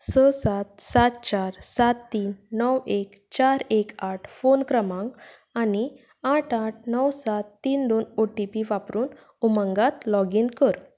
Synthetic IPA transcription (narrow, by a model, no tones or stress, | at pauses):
səsat̪̚sat̪̚t͡ɕaɾsat̪ːiːnːəwek | t͡ɕaɾekaʈʰfonkɾəmãŋɡ | ani | aʈʰaʈ̚ʰnəwsat̪ːiːnd̪onoʈipiʋapɾuːn | umə̃ŋɡat̪lɔɡinkəɾ